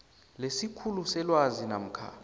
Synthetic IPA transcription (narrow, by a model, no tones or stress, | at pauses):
lesikʰulusɛlwazinam̩kʰa̰